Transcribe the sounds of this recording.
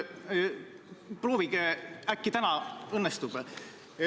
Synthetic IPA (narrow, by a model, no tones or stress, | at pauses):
pro̞ːviɡ̥eækːit̪ænɑɤnːɛst̪ub̥